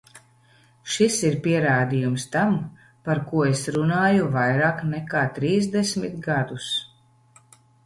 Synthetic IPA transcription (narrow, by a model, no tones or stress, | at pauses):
ʃisiɾpiɛɾaːd̪ijumst̪am | paɾkuɔesɾunaːjuvajɾaːknɛkaːt̪ɾiːzd̪esʲmʲit̪ɡad̪us